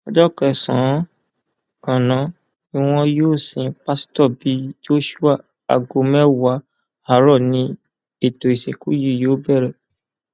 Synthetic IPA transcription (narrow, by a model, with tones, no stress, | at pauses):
ɔ˧d͡ʒɔ˦kɛ˨sã˨˦ | ɔ̃˨nã˨˦ | i˧˨w̃ɔ̃˧joː˦˨sĩ˨pa˦stɔ˦˨bi˨˦d͡ʒo˦ʃu˦a˦˨a̰˨ɡo˨mɛ̃˦wa˨˦ | a˨ɾɔ˦˨nĩ˦ | e˦˨to˨i˨se˨ku˦ji˦˨jo˨˦bɛ˦˨ɾɛ˦˨